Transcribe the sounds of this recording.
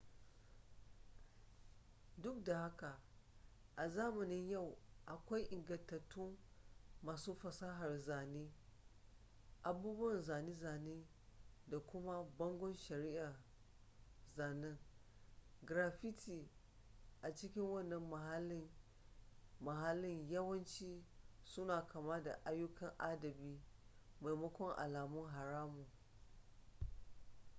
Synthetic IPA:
dʊ˦k̚da˨ha˦ka˨ | ʔa˨zaː˦ma˨nɪ˦nja˦˨wʔa˨kʷa˦jʔɪ˨ŋɡɐ˨ntːa˨tʰːu˦ | maː˨su˦fɐ˨sa˦ɦa˨rza˨ni˦ | ʔa˨buː˦bu˦wɐ˨nza˨ni˦zaː˨ni˦ | da˨kʊ˦ma˦bɐ˦ŋɡʷɔ˦nʃɐ˨ɾi˦ʔa˨ | zaː˨nɪ˦ŋ | ɡɾaː˨ɸi˦tʰi˨ | ʔa˨t͡ʃɪ˦kʲɪ˦ŋwɐ˦˨nːɐ˦mːɐ˨ɦa˦lːɪ˦ŋ | mɐ˨ɦa˦lːɪ˦ɲjɐ˦wɐ˦nt͡ʃiː˦sʊ˦naː˨kʰa˨ma˦da̰˨ʔa˦jʊ˦kɐ˨ŋʔa˦dɐ˨biː˦ma˨jmɐ˦kʷɔ˦ŋʔa̰˨laː˨mʊ˦ŋɦa˨ɾaː˦mu˨

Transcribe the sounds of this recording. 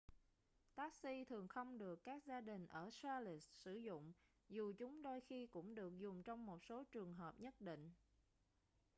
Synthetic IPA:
t̪aː˦˥k̚si˧t̪ʰɨ˨˩əŋxə˧wŋ͡mɗɨ˨˩əkːaː˦˥k̚zaː˧ɗï˨˩ŋ̟ʔəː˧˩saː˧li˨˩ssɨ˧˩zʊ̰˧˨ŋ͡m | zu˨˩t͡ɕʊ˨˦ŋ͡mɗo˧jxi˧kʊ̰˧˥ŋ͡mɗɨ˨˩ək̚zʊ˨˩ŋ͡mt͡ɕɔ˧wŋ͡mmo˨˩t̚so˨˦t͡ɕɨ˨˩əŋɦəː˨˩p̚ɲə˦˥t̚ɗḭ˧˨ŋ̟

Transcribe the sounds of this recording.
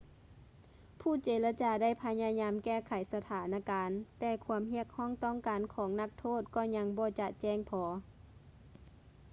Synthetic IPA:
pʰuː˧˩˨t͡ɕeː˨˦la˧t͡ɕaː˧da˥˩jpʰa˧ɲaː˧ɲaː˧˥mkɛː˧˩kʰa˨˩jsa˧t̪ʰaː˨˦nʔa˧kaː˨nt̪ɛː˧kʰu˧əmhi˧˥˩ək̚hɔː˥˩˨ŋt̪ɔː˥˨ŋkaː˨nkʰɔː˨˦ŋna˧˥k̚t̪ʰoː˥˩˨t̪̚kɔː˧˩ɲa˧˥ŋbɔː˧˦t͡ɕa˧ʔt͡ɕɛː˧˩˨ŋpʰɔː˨˧

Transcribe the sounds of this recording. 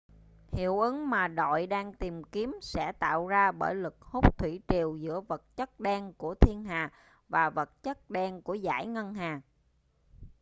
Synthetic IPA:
hḭ˧˩˨əwʔɨ˨˦ŋmaː˨˩ɗo̰˧˨jɗaː˧ŋt̪i˨˩mki˨˦əmsɛ̰˧˥t̪a̰ː˧˨wzaː˧ɓəː˧˩jlɨ˨˩k̚hu˦˥k͡p̚t̪ʰwi˧˩t͡ɕi˨˩əwzɨ̰˧˥əvə˨˩t̚t͡ɕə˦˥t̚ɗɛ˧ŋku˧˩ət̪ʰi˧ənɦaː˨˩ | vaː˨˩və˨˩t̚t͡ɕə˦˥t̚ɗɛ˧ŋku˧˩əza̰ː˧˥˩jŋə˧nɦaː˨˩

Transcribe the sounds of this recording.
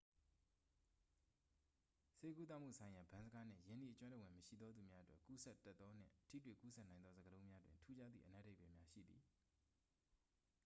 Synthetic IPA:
se˦k̬u˦t̪̬a˦˨m̥ṵ˦˨sʰã˨ɪ̃ja˨bã˨˦nzə˦ɡa˦n̥ɪ̰̃˦˨jɪ̃˨nḭ˦ʔət͡ɕwã˦ndə˨wɪ̃˨məʃḭ˦˨d̪ðɔ˦d̪u˨mja˦ʔətwɛ˦˨ku˦sɛ˦tːɛ˦t̪ːɔ˦n̥ɪ̰̃˦˨tʰḭ˦˨twḛ˦˨ku˦sʰɛ˦ʔnã˨ɪ̃nd̪ɔ˦zə˨ɡəlõ˦ʊ̃mja˦dwɪ̃˨ntʰu˦d͡ʑa˦d̪ðḭ˦˨ʔənɛ̰˦de˦pɛ˨mja˦ʃḭ˦˨d̪i˨

